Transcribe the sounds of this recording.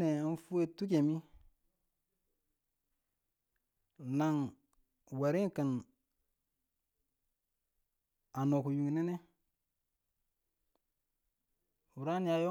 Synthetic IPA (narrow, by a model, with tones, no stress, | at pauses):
e˨a˦n˦fu˦e˦tu˦ke˨mi˦ | na˨ŋ | wa˨ɾi˦ŋka˨n | a˨no˨ku˨ju˨ŋ˨ne˦ne˦ | u˨ɾa˦n˦ja˨jo˦